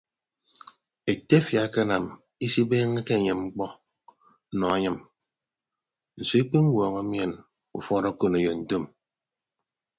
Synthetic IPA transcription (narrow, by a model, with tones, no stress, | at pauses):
e˨te˦fja˨˦ke˦na˨m | i˦si˦beː˦ŋe˦ke˦˨ɲe˨mŋ͡m̩˦k͡pɔ˦ | nɔ˨a˦ɲɨ˦m | n̩˨so˨i˦k͡pi˦ŋ̩˦wɔː˨ŋa˦mje˦˨n | u˨fɔ˦ɾɔ˦ko˦˨ne˨jo˨n̩˨to˦˨m